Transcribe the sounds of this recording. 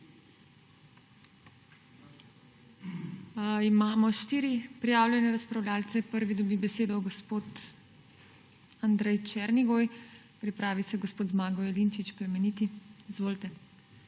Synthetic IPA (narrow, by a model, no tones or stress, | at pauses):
imaːmɔʃt̪iːɾipɾijaːwljɛnɛɾaspɾawlʲaːlt̪sɛpəɾʋid̪ɔbibɛseːd̪ɔɡɔspoːt̪ | and̪ɾɛjt͡ʃɛɾniɡoj | pɾipɾaːʋisɛɡospoːt̪zmaːɡɔɛlint͡ʃit͡ʃpɾɛmɛnit̪iizʋoːlt̪ɛ